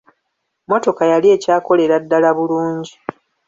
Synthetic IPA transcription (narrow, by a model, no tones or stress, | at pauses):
mo̞to̞kajalie̞ːcaːko̞le̞ɾadːalaβuluːɲɟi